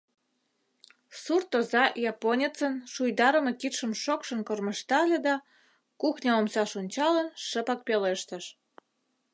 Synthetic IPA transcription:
surt̪ozɑjɑponʲet͡sənʃujd̪ɑɾəmɤkit̪ʃə̆mʃokʃə̆nkorməʃt̪ɑlʲed̪ɑ | kuxnʲɑomsɑʃunʲt͡ɕɑlənʃəpɑk̚peleʃt̪ə̆ʃ

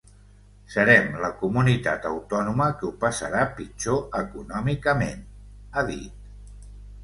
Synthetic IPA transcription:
səɾɛmləkumunit̪a̰t̪ə̰wt̪ɔnuməkəupəsə̰ɾapit͡ʃoəkunɔmikəmḛnaðḭt̪̚

